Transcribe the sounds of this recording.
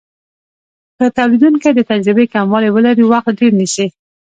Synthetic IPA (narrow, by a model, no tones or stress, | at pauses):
kət̪awlid̪unkad̪ət̪ad͡ʒɾɪbekamwɑlewəlaɾiwaxt̪ɖeɾnəʃi